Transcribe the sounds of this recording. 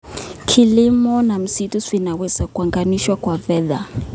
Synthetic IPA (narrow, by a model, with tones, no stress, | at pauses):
kʰilimɔna˨m̩˨sitʰʼu˦sfina˨wɛsa˨kʼwa˨ŋɡʼaniʃwa˦kʼwa˨vɛːða˨